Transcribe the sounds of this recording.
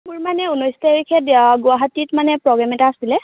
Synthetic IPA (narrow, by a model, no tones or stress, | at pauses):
muɹmanɛunɔjstaɹikʰɛdɡʊwaɦatitmanɛpɹɔɡamɛtaasilɛ